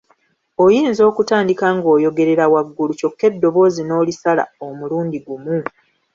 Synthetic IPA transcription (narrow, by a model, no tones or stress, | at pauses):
o̞jiːnzo̞ːkutaːndikaŋɡo̞ːjo̞ɡe̞ɾe̞ɾawaɡːuluco̞kːe̞dːo̞βo̞ːzino̞ːlisala̰omuluːndiɡumu